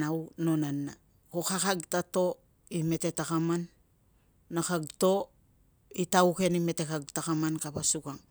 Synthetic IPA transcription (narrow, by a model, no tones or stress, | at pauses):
nawno̞nanːa | kokakaɡtato̞ | ime̞te̞takamanː | akaɡto̞ | itauke̞nime̞tekaɡ̚takamankapasuɡaŋ